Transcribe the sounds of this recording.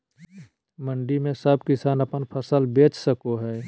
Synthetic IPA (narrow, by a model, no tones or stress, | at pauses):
məɳɖimẽsəb̚kɪsaːnəpənpʰəsəlbeːt͡ʃsəkoɦɛː